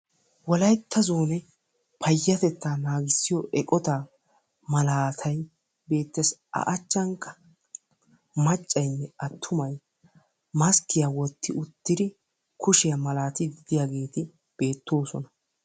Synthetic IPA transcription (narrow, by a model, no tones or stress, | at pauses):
wɔlɐjt̪ːɐzoːnɛ | pʰɐjːɐt̪ɛt̪ːaːnaːɡɪsːɪjɔʔɛkʼɔt̪aː | mɐlaːt̪ʰɐj | be̞ːt̪ːɛsʔɐ̰ʔɐt͡ʃːɐŋkːɐ̥ | mɐt͡ʃʼːɐjnːɛʔɐt̪ʰːʊmɐj | mɐskːɪjawɔt̪ːɪʔʊt̪ːɪd̪ɪ | kʊʃɪjɐmɐlaːt̪ɪd̪ɪd̪ɪjaɡe̞ːt̪ɪ | b̥e̞ːt̪ːo̞ːsɔnɐ